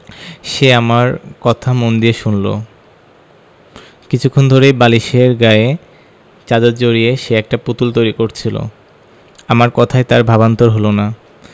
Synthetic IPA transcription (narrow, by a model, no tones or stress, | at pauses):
ʃeamaɾkɔt̪ʰamond̪ieʃunlo̰ | kit͡ɕʰukʰːond̪ʱoɾebaliʃeɾɡae | t͡ɕad͡ʑad̪̚d͡ʑoɾieʃeɛk̚ʈaput̪ult̪ojɾikoɾt͡ɕʰilo̰ | amaɾkɔt̪ʰaet̪aɾbʱabant̪oɾɦolona